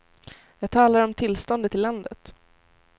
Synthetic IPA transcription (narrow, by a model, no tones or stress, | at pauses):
jɑːɡ̚t̪ʰɑːlaɾɾɔmt̪ʰɪlst̪ɔnd̪ət̪ʰːɪlːand̪ət̪